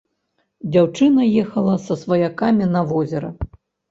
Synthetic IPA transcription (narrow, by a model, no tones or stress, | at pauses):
d͡zʲawt͡ʂɨnɐjɛxɐlˠɐsɐsvɐjakamʲinɐvɔzʲɛɾɐ